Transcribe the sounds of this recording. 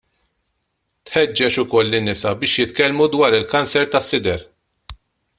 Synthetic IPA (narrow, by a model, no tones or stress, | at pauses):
t̪ħɛd͡ʒːɛt͡ʃʊkɔlːɪnːɪsɐbɪːʃjɪt̪kɛlmud̪wɐːɾɪlkɐnsɛɾt̪ɐsːɪd̪ɛɾ